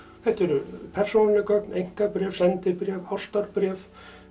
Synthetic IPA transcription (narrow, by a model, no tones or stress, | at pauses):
θɛht̪ɛɾʏpʰɛr̥sonlɪkœknejŋ̥kapɾɛːfsɛnt̪ɪpɾɛːfhɔst̪aɾpɾɛːf